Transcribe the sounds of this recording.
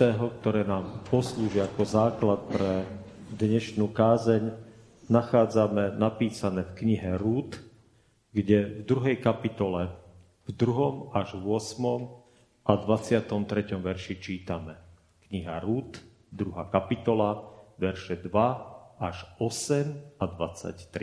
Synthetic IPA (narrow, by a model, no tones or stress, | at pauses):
ɛːɦɔkt̪ɔɾɛːnaːmpɔsluːʒiakɔzaːklat̪̚pɾɛd̪ɲɛʃnuːkaːzɛɲ | naxaːd͡zamɛnapiːsanɛːfkɲiɦɛɾuːt̪ | ɡɟɛvd̪ɾuɦɛjkapit̪ɔlɛ | vd̪ɾuɦɔmaʒʋʊɔsmɔm | ʔad̪ʋat͡sɪat̪ɔmt̪ɾɛcɔmʋɛɾʃit͡ʃiːt̪amɛ | kɲiɦaɾuːt̪ | d̪ɾuɦaːkapit̪ɔlaʋɛɾʃɛd̪ʋaaʒɔsɛmad̪ʋat͡sa̰ct̪ɾi